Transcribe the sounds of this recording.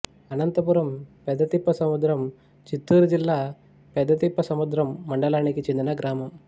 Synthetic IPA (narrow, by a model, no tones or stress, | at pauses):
ɐnɐnt̪ɐpuɾɐmpɛd̪ːɐt̪ipːɐsɐmud̪ɾɐm | t͡ʃit̪ːuːɾd͡ʒilːaː | pɛd̪ːɐt̪ipːɐsɐmud̪ɾɐmːɐɳɖɐlaːɳikːit͡ʃind̪inɐɡɾaːmɐm